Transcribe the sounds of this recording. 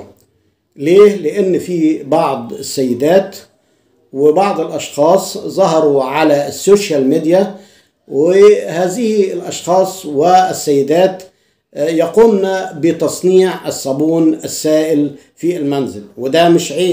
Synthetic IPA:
leːlɪʔɪnːfibɑʕd̪ˤɪsːajːɪd̪aːt̪ | wɪbɑʕd̪ˤɪlʔɑʃxɑːsˤzˤɑɦɑɾˤuʕalasːoːʃjalmid̪ja | wɪhaːzɪhɪlʔɑʃxɑːsˤwɪɪsːajːɪd̪aːt̪ | jɑquːmnabɪt̪ɑsˤniːʕɪsˤːɑbuːnɪsːaːʔɪl | fiɪlmanzɪlwɪd̪amɪʃʕeː

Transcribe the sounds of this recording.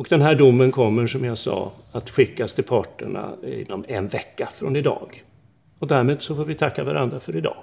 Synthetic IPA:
ɔkd̪ɛnɦæːɖʊmːənkʰɔmːəʂɔmjɑsɑ̰ːat̪ɧɪkːast̪ɪlpʰɑːʈːəɳa̰ɪ̰nːɔmɛnvɛkːafɾɔnɪd̪ɑ̰ːɡ | ɔd̪æɾmeːd̪sɔfoːɾvɪt̪ʰakːavaɾʔand̪ɾafœɾɪd̪ɑ̰ː

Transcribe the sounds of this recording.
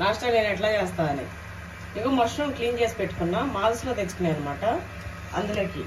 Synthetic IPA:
naːʂʈɾaːleːnɛʈ̬laːt͡ʃɛːst̪aːɐnḭ | ikoːmɐɾʂnɐmkliːnt͡ʃe̞ːsi̥peʈːu̥kunːaːmaːlslo̞ːt̪et͡ʃːu̥kuneɐnːɐmaːʈɐ | ɐ̰nd̪ɐlɐki

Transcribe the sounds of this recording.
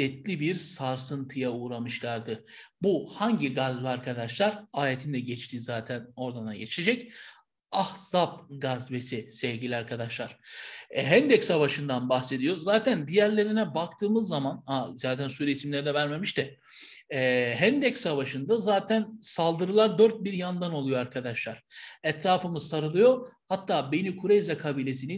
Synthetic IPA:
ɛt̪lʲibiɾsaɾsɯnt̪ʰɯjauːɾamɯʃlˠaɾd̪ɯ | buhaɲɟiɡazvɛaɾkʰad̪aʃlˠaɾaːɾet̪ʰind̪ɛɟɛt͡ʃt̪ʰizaːt̪ʰæno̞ɾd̪anaɟet͡ʃʰed͡ʒɛc | ahz̥apɡazvesisɛvɟilʲiaɾkʰad̪aʃlˠaɾ̥ɛɦɛnd̪ɛcsavaʃɯnd̪anbaxse̞d̪ijo̞zaːt̪ʰænd̪ijæɾlʲe̞ɾinɛbakt̪ʰɯːmɯzːamanazaːt̪ʰænsuːɾeisimlʲeɾid̪ɛvæɾme̞miʃt̪ʰɛ | ɦænd̪ɛcsavaʃɯnd̪azaːt̪ʰænsalˠd̪ɯɾɯlˠaɾd̪øɾt̪̚biɾjand̪ano̞lˠujo̞aɾkʰad̪aʃlˠaɾ̥ɛt̪ɾaːfɯmɯsaɾɯlˠɯjohat̪ːaːbenikʰuɾejzʲɛkʰabiːlʲe̞sini

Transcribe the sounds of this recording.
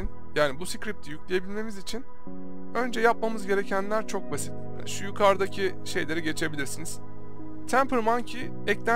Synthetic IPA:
n | jaːnibusicɾip̚t̪ʰijyclʲejebilʲme̞mizit͡ʃʰin | ø̞nd͡ʒɛjap̚mamɯzɟe̞ɾe̞cʰænlʲæɾt͡ʃʰo̞k̚basi̥t̪ | ʃujukʰaɾd̪acʰi | ʃe̞jlʲe̞ɾiɟe̞t͡ʃʰe̞bilʲiɾsiniz̥ | t̪ʰæmpʰɯɾmancʰi | ɛclʲæ

